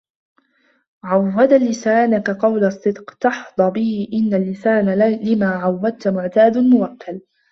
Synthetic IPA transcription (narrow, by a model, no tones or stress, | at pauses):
ʕawːad̪alːɪsaːnakaqɑwlɑsˤːɨd̪qt̪ɑħd̪̥ˤɑbɪhɪʔɪnːalːɪsaːnalɪmaːʕawːad̪̚t̪mʊʕt̪aːd̪mʊwakːal